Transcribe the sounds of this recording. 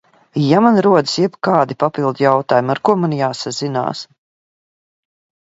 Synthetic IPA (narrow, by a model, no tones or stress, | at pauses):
jamanɾuɔd̪ɨ̥sjɛbkaːd̪ipapilˠd̪jawt̪aːjumaɾkuɔmanjaːsazina̰ːs